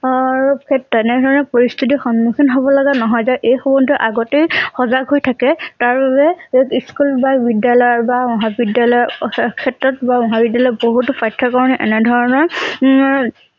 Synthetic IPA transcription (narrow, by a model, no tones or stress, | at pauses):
ɹukʰɛtːɔɛnɛdʱɔɹɔnɛpoɹist̪ʰit̬ixɔmmixɔnɦobɔlaɡanɔɦɔjzaʔejxɔbɔnduʔaɡɔtejxɔzakɦojtʰakɛtaɹbabɛiskulbabidjalɔjɔɹbamɔɦabidjalɔjɔkʰɛtɹɔt̚bamɔɦabidjalɔjɔboɦutʊpʰajtʰːakɔɹɔnɛʔɛ̰nɛdʱɔɹɔnɔɹ